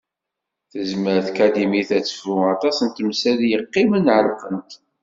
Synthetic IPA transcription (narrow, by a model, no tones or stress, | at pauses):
θəzməɾθkæd̪imiθæt͡sːə̥fuɑt̪ˤɑsənt̪əmsæljəqːimənʕəɾfənt̪